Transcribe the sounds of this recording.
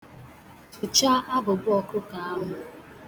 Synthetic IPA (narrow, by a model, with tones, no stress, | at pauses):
ʊ˨t͡ʃa˦a˦bʊ˨bʊ˦ɔ˨kʊ˦ka˨a˦ɦʊ˨